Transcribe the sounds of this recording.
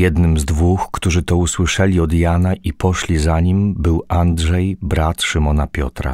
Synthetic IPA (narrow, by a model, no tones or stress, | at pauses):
jɛd̪nɘmzd̪vuxkt̪uʐɘt̪ɔuswɘʂɛlʲiɔd̪janaʔipɔʂlʲizaɲimbɘwandʐɛjbɾat̪ʂɘmɔnapʲjɔt̪ɾa̰